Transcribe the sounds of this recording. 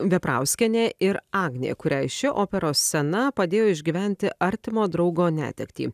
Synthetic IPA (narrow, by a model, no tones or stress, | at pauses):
ʋʲɛpɾɑ̰ˑʊsʲkʲɛnʲeːɪɾɑːɡnʲḛːkʊɾʲæɪʃʲɪʔoːpʲɛɾoːsːʲɛnɐpɐd̪ʲeːjoːɪʒʲɡʲiːʋʲæˑnʲt̪ʲɪʔɐɾʲt̪ʲɪmoːd̪ɾɒʊɡoːnʲæ̰ːt̪ʲɛkt̪ʲḭː